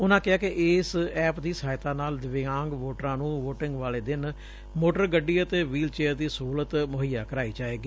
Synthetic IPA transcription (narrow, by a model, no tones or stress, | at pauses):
ʊnãːkɪɦaːkɪʔɪːsɛːpd̪iːsaːɪt̪aːnaːld̪ɪʋɪãːŋɡʋoːʈɾãːnũːʋoːʈɪŋɡʋaːleːd̪ɪn | moːʈəɾɡəɖːiːət̪eːʋiːlt͡ʃeːəɾd̪iːsɦuːlət̪mʊɦəjaːkəɾaːiːd͡ʒaːeːɡiː